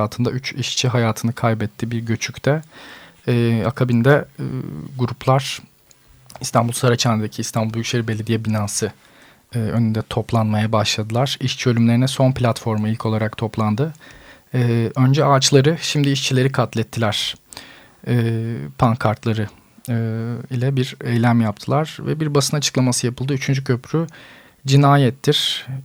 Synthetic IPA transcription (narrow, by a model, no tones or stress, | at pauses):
aːlˠt̪ʰɯnd̪ayt͡ʃiʃt͡ʃʰiɦajaːt̪ʰɯnɯkʰajbɛt̪ʰːibiɾɟø̞t͡ʃʰycʲt̪ʰɛː | akʰabind̪ɛ | ɡuɾupʰlˠaɾ̥ | ist̪ʰanbulˠsaɾat͡ʃʰaned̪ecʰiːst̪ʰanbulˠbyʃeɾibelʲed̪ijɛbinaːsɯ | ø̞̰nynd̪ɛt̪ʰo̞plˠanmajabaʃlˠad̪ɯlˠaɾ̥iʃt͡ʃʰiø̞lʲymlʲe̞ɾinɛso̞nplʲat̪fo̞ɾmɯilʲcʰo̞lˠaɾakt̪ʰo̞plˠand̪ɯː | ø̞nd͡ʒɛaːt͡ʃlˠaɾɯʃimd̪iːʃt͡ʃʰilʲe̞ɾikʰat̪lʲɛt̪ʰːilʲæɾ̥ | ɛːpʰaŋkʰaɾt̪lˠaɾɯ | ilʲɛbiɾɛjlʲæmjap̚t̪ʰɯlˠaɾ̥vɛbiɾbasɯnat͡ʃʰɯ̥klˠamasɯjapʰɯlˠd̪ɯyt͡ʃʰynd͡ʒycʰøpɾy | d͡ʒinaːjɛt̪ʰːiɾ̥